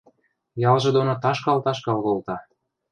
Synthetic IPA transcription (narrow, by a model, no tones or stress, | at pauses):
jɑlʒɤ̆d̪onot̪ɑʃkɑlt̪ɑʃkɑlɣolt̪ɑ